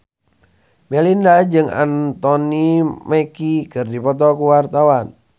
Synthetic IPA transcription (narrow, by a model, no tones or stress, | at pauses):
mɛlindad͡ʒɨŋa̰nt̪ɔnimɛkikɨrdipɔt̪ɔkuwart̪awan